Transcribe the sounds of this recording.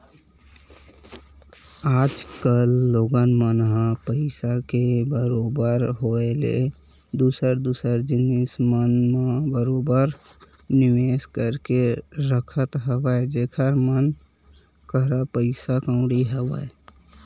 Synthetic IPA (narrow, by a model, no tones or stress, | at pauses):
aːd͡ʒkəlːoɡənmənɦãpəɪsakebəɾobəɾɦoelḛ | d̪uːsəɾd̪uːsəɾd͡ʒɪnismənmə̃bəɾobəɾ | nɪʋeːskəɾkeɾəkʰət̪ɦəwəd͡ʒeːkʰəɾmən | kəɾəpəɪsakəʊ̃ɽiɦəwə̰e